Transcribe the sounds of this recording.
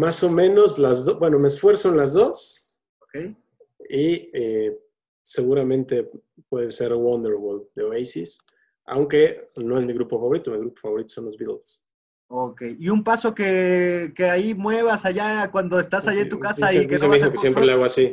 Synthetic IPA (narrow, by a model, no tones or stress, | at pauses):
maso̞mẽ̞no̞zlazðobwe̞no̞meːsfwe̞ɾsonlazðo̞s | okej | ie | se̞ɣuɾamẽ̞nt̪e̞ | pwe̞ðese̞ɾwond̪eɾβol̚d̪eβejsis | ʔa̰wŋke̞no̞e̞zmiɣɾupo̞faβo̞ɾit̪omiɣɾupofaβo̞ɾit̪osõ̞nlozβit̪ls | okejiumpaso̞kekeaimwe̞β̞asaʝakwand̪o̞est̪asajant̪ukasaesemizokesjempɾelaɣoasi